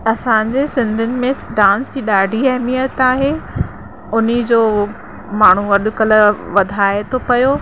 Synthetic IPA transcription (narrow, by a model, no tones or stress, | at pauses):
ɐsãːɲd͡ʑeːsɪ̃nd̪ʱʊnɪ̆mẽɖãːnsd͡ʑiːɗaːɖʱiɛɦmijət̪aːɦe | ʊnid͡ʑoː | maːɳ̤uʋɐɗʊ̆kɐl̆ʋɐd̪ʱaːet̪ʰopɐjoː